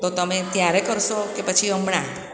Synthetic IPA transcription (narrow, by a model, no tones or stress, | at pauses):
t̪ot̪əmet̪jaɾekəɾʃokepət͡ʃʰiəmɳa